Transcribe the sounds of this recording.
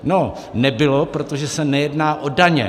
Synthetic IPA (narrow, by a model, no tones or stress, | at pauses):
no | nɛbɪlopɾot̪oʒɛsɛnɛjɛdnaːʔodaɲɛ̰